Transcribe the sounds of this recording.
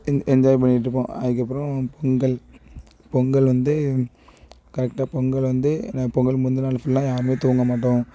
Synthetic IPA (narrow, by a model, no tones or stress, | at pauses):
ɛnd͡ʒaːjp̬ɐɳːɪʈːɾɯpːõ̰ːɐðɯk̬ːɐpːɯɾɐ̃pɔŋɡɐɭ | pɔŋɡɐɭʋɐnd̪ɯ | kɐɾɛk̚ʈaːpɔŋɡɐɭʋɐnd̪ɯnapɔŋɡɐɭmʊnd̪ɯnaːlfʊɭlãːjaːɾɯmeːt̪uːŋɡɐmaːʈ̬ːõː